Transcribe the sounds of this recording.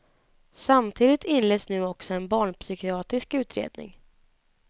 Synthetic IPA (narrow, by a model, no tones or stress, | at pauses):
samt̪ʰiːd̪ɪt̪ɪnleːd̪snʉ̟ːɔksɔɛnbɑːɳpsʏkɪɑːt̪ɾɪskʉ̟ːt̪ɾḛːd̪̚nɪ̰ŋ